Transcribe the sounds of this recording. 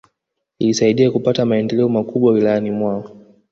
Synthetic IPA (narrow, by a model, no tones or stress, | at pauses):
liːsaiɗiakupatamaɛndɛlɛɔmakuɓwawilajanimwaɔ